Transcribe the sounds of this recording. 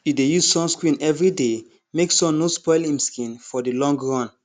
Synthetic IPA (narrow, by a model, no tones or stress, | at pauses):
judejuzsɔ̃mskɹĩnɛvɹide | meksɔ̃nnospɔɪlĩmskĩnfɔdilɔ̃ŋɡɹɔ̃n